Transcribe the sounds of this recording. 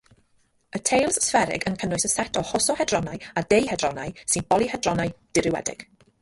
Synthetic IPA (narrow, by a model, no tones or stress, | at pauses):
ətʰejlˠssfɛɾɪ̰ɡənkʰənʊɨsəsɛtʰɔhɔsɔhɛdrɔnajadejhɛdrɔna̰jsɨnb̥ɔlˠihɛdrɔnajd̥ɪɾɪwɛ̰dɪ̰ɡ̥